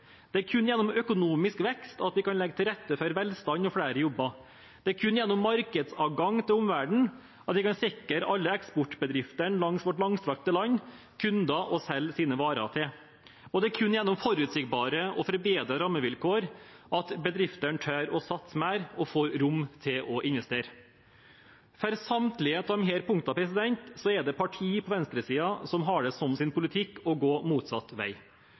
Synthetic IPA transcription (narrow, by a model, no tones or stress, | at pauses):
d̪̥ɛæɾkʰʉnːjɛnːɔmœkʊnuːmɪskʋɛkst̪ɑt̪ʋɪkʰɑnlɛɡət̪ʰɪɾɛt̪ːəfœɾʋɛlst̪ɑnɔfɽæːɾəjɔbːɑ | d̪̥ɛæɾkʰʉnːjɛnːɔmːɑɾkəd̪sɑːʋɡɑŋt̪ʰɪlʊmʋæɖɳ̩ | ɑt̪ʋɪkɑnsɪkːəɾɑlːəɛkspɔʈbəd̪ɾɪft̪əɳlɑŋsʋɔʈlɑŋslɑk̚t̪əlɑnː | kʰʉnd̪ɑʔɔsɛlːsiːnəʋɑːɾɑ̰t̪ʰɪ | ɔd̪ɛæɾkʰʉnːjɛnːʊmfɔɾʉːt̪sɪɡbɑːɾəɔfɔɾbeːd̪ɾɑɾɑmːəʋɪlkʰoːɾ | ʔɑt̪bəd̪ɾɪft̪əɳʈ̪ʰøːɾɔsɑt̪smæːɾɔfoːɾɾʊmt̪ʰɪlʔɔʔɪnʋɛst̪eːɾə | fœɾsɑmt̪lɪeːt̪ʰɔmɦeːɾpʰʊŋkt̪ɑpʰɾɛsɪd̪ɛnt̪sɔɛd̪ɛpʰɑʈʰiːpʰɔʋɛnst̪ɾəsiːɑsɔmɦɑɖɛsɔmsɪnpʰʊlɪt̪ʰɪkːɔɡoːmuːt̪sɑt̪ːʋæ̰ɪ